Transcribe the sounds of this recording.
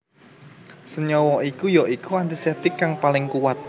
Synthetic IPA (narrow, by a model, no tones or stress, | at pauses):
səɲɔwɔikujɔʔikuant̪isɛt̪ɪkːaŋpalɪŋkuwat̪̚